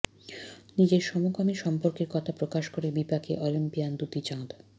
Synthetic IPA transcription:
nid͡ʑeɾʃɔmokamiʃɔmpoɾkeɾkɔt̪ʰapɾokaʃkoɾebipakeʔɔlimpijand̪ut̪it͡ɕãd̪

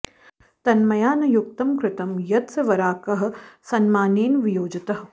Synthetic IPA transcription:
t̪ɐnmɐjaːnɐjuk̚t̪ɐmkɾɪt̪ɐmjɐt̪sɐʋɐɾaːkɐɦɐ̆sɐnmaːneːnʋɪjoːd͡ʒɐt̪ɐɦ

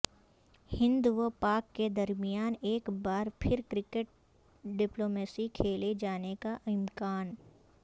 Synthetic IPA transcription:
hɪ̃nd̪uopaːkːed̪ɐɾmijaːneːkbaːɾpʰɪɾkɾɪkeʈ̚ | ɖɪploːmeːsikʰeːled͡ʒaːnekaʔɪmkaːn

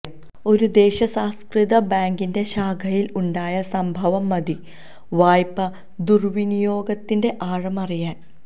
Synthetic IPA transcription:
o̞ɾud̪e̞ːɕɐsaːskriðɐbaːŋɡinde̞ɕaːɡʱɐjiluɳɖaːjɐsɐmbʱɐʋɐmːɐd̪i | ʋaːjpːɐ | d̪urʋinijo̞ːɡɐt̪ːinde̞ʔaːɻɐmɐrijaːn

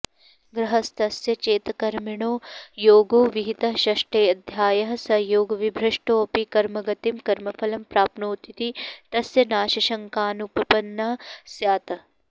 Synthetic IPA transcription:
ɡɾɐɦɐst̪ɐsjɐt͡ʃeːt̪ɐkɐɾmiɳoːjoːɡoːʋiɦit̪ɐʃɐʂʈeːɐd̪ʱjaːjɐɦɐsɐjoːɡɐʋibʱɾɐʂʈoːɐpikɐɾmɐɡɐt̪imkɐɾmɐfʰɐlɐmpɾaːpnoːt̪it̪it̪ɐsjɐnaːʃɐʃɐŋkaːnuppɐnːɐsjaːt̪ɐ

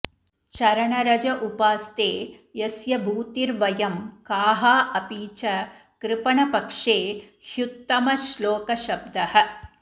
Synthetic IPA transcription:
t͡ʃɐɾɐɳɐɾɐd͡ʒɐʔupaːst̪eːjɐsjɐbʱuːt̪iɾʋɐjɐmkaːɦaːʔɐpiːt͡ʃɐ | kɾɪpɐɳɐpɐkʂeː | hjut̪ːɐmɐʃloːkɐʃɐb̚d̪ɐhɐ̆

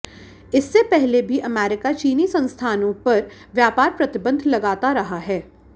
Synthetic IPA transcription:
ɪsːepɛɦlebʱiʔɐmɛːɾɪkat͡ʃiːnisɐ̃nst̪ʰaːnõpɐɾ | ʋjaːpaːɾpɾɐt̪ɪbə̃nd̪ʱlɐɡaːt̪aɾɐɦaɦɛː

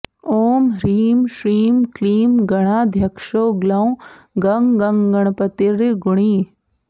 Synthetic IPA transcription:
oːmɾiːmʃɾiːmkliːmɡɐɽ̃aːd̪ʱjɐkʂoːɡlɐ̃w̃ | ɡɐŋɡɐŋɡɐɽ̃pət̪iɾɡʊɽ̃iː

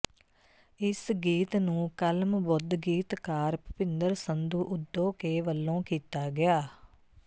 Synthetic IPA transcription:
ɪsɡiːt̪nũːkəlmbʊd̪ɡiːt̪kaːɾpəpɪnd̪əɾsənd̪uːʔʊd̪ːõːkeːʋəlːõːkiːt̪aːɡɪaː

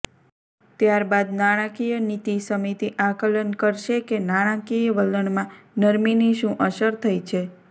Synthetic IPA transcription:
t̪jaɾbad̪̚naɽ̃ãkijənit̪isəmit̪iʔakələnkəɾʃekenaɽ̃ãkijəʋələɳmãnəɾminiʃũʔəʃəɾt̪ʰəjt͡ʃʰe

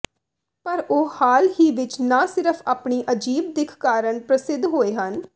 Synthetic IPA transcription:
pəɾoːhaːlɦiːʋɪt͡ʃnãːsɪɾəpʰaːpɳiːʔəd͡ʒiːb̚d̪ɪkʰkaːɾəɳpɾəsɪd̪ɦoːeːɦən

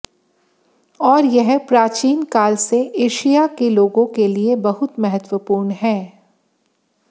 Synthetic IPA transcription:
ɔːɾjɛɦpɾaːt͡ʃiːnkaːlseʔeːʃijakeloːɡõkeliebɐɦʊt̪mɛɦət̪wəpuːɾɳɦɛ̃ː

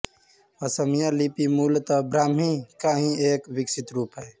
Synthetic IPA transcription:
əsəmijalipimuːlt̪abɾaːmĩkaɦĩeːkʋɪksɪt̪ɾuːpɦɛː

